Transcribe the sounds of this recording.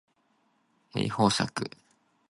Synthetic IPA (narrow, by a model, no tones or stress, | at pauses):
ḛihoːsakɯ̟